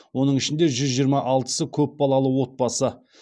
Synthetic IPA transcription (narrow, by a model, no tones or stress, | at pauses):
wo̞nəɴɪʃɪnd̪e̞ʒʏzʒijəɾmɑʔɑlˠt̪ə̥səkʲʰɵp̚bɑlˠɑlˠəwo̞t̪̚bɑsə